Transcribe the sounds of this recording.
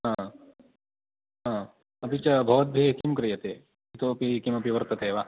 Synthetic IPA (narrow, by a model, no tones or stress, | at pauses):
ɦã | ɦãː | ɐpit͡ʃɐbʱɐʋɐt̪̚bʱekimkɾɨjɐt̪eː | it̪oɐpikimɐpiʋɐɾt̪ɐt̪ʰeːʋa